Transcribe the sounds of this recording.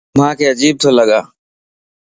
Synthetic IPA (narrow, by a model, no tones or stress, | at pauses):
mãːkʰeːəd͡ʒiːb̚t̪ʰoːləɠaː